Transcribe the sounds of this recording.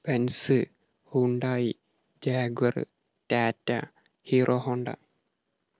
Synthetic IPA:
pensɨ | huɳɖaːji | d͡ʒaːɡɐɾɨ̰ | taːtːa | hiːɾʔoɦoɳɖa̰

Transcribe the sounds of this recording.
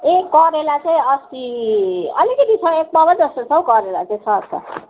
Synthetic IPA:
ekːʌɾelat͡saĩʌst̪i | ʌ̰likʌt̪it͡sʰʌek̚bʌbʌd͡zʌst̪osʰʌwkʌɾelat͡saĩt͡sʰʌt͡sʰʌ̰

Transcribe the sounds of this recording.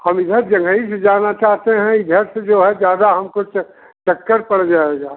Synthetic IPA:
hɐmɪd̪ʱəɾd͡ʒɐ̃ŋɡʱəised͡ʒaːnat͡ʃaːɦt̪eɦɛ̃ɪd̪ʱəɾsed͡ʒoːɦɛd͡ʒjaːd̪aɦɐmkʊt͡ʃ | t͡ʃɐkːəɾpɐɽ̤d͡ʒaːeɡaː

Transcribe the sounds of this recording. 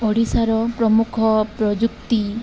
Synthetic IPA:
ɔɽisaɾɔpɾɔmukʰɔpɾɔd͡ʒuk̚t̪i

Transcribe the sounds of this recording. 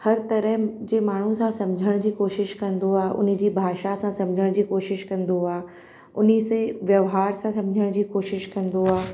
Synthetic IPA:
hɐɾt̪ɐɾəɦd͡ʑeːmaːɳ̤ũsãsɐ̃md͡ʑʱəɽ̃d͡ʑiːkoːʃɪʃkɐ̃nd̪oaːɦʔʊ̰nɪ̆d͡ʑiːbʱaːʃasãsɐ̃md͡ʑʱəɽ̃d͡ʑiːkoːʃɪʃkɐ̃nd̪oaː | ʊnisẽʋjɐʋɦaːɾsãsɐ̃md͡ʑʱəɽ̃d͡ʑiːkoːʃɪʃkɐ̃nd̪oaː

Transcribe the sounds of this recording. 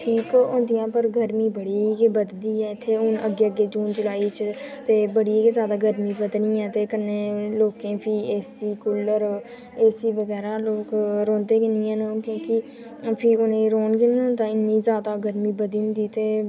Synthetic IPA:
ʈʰiːkõnd̪ɪjãːpəɾɡʱəɾmiːbəɽiikebəd̪d̪iːɦɛːɪt̪ʰːeːʊnə̰ɡeːəɡeːd͡ʒuːnd͡ʒʊlaːiːt͡ʃʰt̪eːbəɽiːeːkezjaːd̪aːɡəɾmiːbəd̪nĩːɛ̃ːt̪eːkənːeːloːkẽːpʰiːeːsiːkʊləɾ | eːsiːʋəɣɛːɾaːloːkɾoːnt̪eːkenĩːɛ̃ːnokjõːkɪ | pʰiʊnẽɾoːnkenːt̪ãːɪniːzjaːd̪aːɡəɾmiːbəd̪iːnd̪iːt̪eː

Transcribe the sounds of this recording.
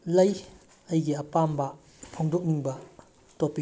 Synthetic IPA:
lɐj | ɐjɡiɐpambɐ | pʰoŋduk̚niŋbɐ | topːi

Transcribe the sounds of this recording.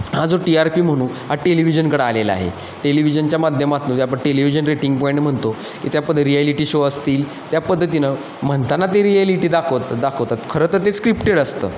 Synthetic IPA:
had͡zoʈiaɾpiːm̤əɽ̃ũːnɦaʈeliʋid͡ʑənkəɽəaleləa̰ɦḛ | ʈeliʋid͡ʑənt͡ɕjamad̪ʱjəmat̪nuːt̪japəɳʈeliʋid͡ʑənɾeʈiŋɡpɔĩɳʈm̤əɳt̪o | kḭt̪japəd̪ʱːəɾieliʈiːɕoəst̪iːl | t̪japəd̪ʱːət̪̬inə | m̤əɳt̪anːat̪eɾieliʈiːd̪akʰət̪d̪akʰəʋt̪at̪kʰəɾəːt̪əɾt̪̬eskɾipʈeɽəst̪ə̰ː

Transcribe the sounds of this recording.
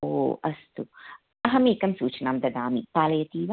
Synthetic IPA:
oːʔɐst̪u | ɐɦɐmiːkɐmsuːt͡ʃɐnaːmd̪ɐd̪aːmip̪aːlɐjɐt̪iːʋa

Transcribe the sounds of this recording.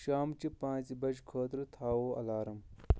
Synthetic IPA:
ʃaːmt͡ɕipãːnt͡sibɐt͡ʃkʰoːt̪ɾit̪ʰaːwoːɐ̰laːɾɐm

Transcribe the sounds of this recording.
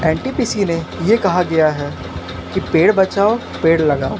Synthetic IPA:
ɛ̃ːɳʈipisinejekɐɦaɡɐjaɦɛ | kipeːɽbɐt͡ʃaːo | peːɽlɐɡaːo

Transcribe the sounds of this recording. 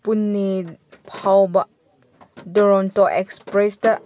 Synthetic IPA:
punːipʰawbaʔ | dɔɾɔntɔʔɛkspɾɛsdə

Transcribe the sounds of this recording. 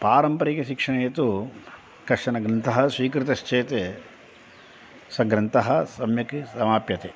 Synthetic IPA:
paːɾɐmpɐɾikeʃikʂɐɳeːt̪u | kɐʂɐnɐɡɾɐnt̪ɐɦɐ̆sʋiːkɾit̪ɐʃt͡ʃeːt̪eː | sɐɡɾɐnt̪ɐɦɐ̆sɐmjɐkisɐmaːpjɐt̪eː

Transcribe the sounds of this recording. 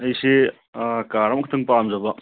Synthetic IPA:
ɐjse | kaɾamk̚ʰt̪ʰɯŋpamzabɐ

